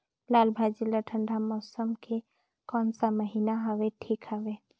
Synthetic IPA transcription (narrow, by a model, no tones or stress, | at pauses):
laːlbʱad͡ʒiləʈʰə̃ɳɖʱamɔːsəmke | kɔːnsaməɦiːnaɦɐʋeʈʰiːkɦəʋe